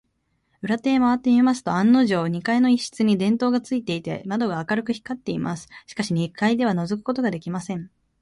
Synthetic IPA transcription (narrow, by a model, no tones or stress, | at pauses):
ɯ̟ɾat̪e̞ːmaβat̪ːe̞mʲimasɨ̥t̪o̞ãnːo̞ʑo̞ːɲ̟ikaino̞iɕi̥t͡sɨɲ̟id̪ẽ̞nt̪o̞ːɡat͡sɨit̪e̞it̪e̞̰mad̪o̞ɡaːkaɾɯkɯ̟çi̥kːat̪ːe̞imʔasɨ̥ɕi̥kaɕiɲ̟ikaid̪e̞β̞ano̞zo̞k̬ɯ̟̥ko̞t̪o̞ɡad̪e̞kʲimasẽ̞ɴ